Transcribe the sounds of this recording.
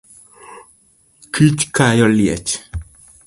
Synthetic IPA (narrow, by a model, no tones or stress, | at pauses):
kit͡ʃkajɔljɛ̰t͡ʃ